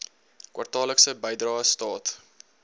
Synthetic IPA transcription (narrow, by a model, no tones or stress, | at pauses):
kwʔa̰rtɑːləksəbəjdrɑːstɑːt